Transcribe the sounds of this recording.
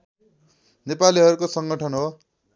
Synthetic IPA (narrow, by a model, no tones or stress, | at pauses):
nepaliɦʌɾukosʌŋɡʌʈʰʌnɦo